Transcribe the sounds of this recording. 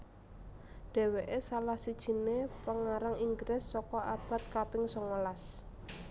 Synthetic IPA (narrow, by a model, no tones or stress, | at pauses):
ɖ̥e̤weʔesalahsid̥ʒ̥i̤nepəŋaɾaŋiŋɡɾɪsːɔkɔʔab̥a̤t̪̚kapɪŋsɔŋəlas